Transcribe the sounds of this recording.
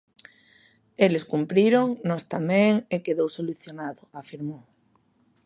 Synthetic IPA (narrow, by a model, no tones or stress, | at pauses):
eleskumpɾiɾoŋnɔst̪amẽŋekeðowsoluθjonaðoafiɾmo